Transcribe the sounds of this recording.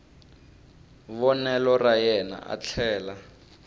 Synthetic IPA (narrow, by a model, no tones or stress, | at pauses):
βɔnɛlɔrajɛna̰ʔa̰t͡ɬʰɛːla